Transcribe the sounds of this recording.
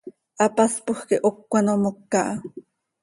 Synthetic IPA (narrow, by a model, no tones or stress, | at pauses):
ʔɑpaspoxkeʔokːanomokːɑʔɑ